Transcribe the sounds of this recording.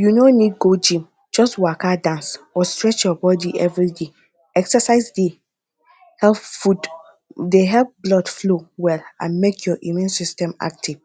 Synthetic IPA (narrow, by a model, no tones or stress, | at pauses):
junonid̚ɡod͡ʒĩm | d͡ʒɔstwakadãnsɔstɹɛt͡ʃjɔbɔdiʔɛvɹide | ɛksɛsaɪzde | hɛlffud | deɦɛlp̚blɔdflowɛlã̰nmekʰjɔʔimɛ̃nsistɛ̃ma̰k̚tʰiv̥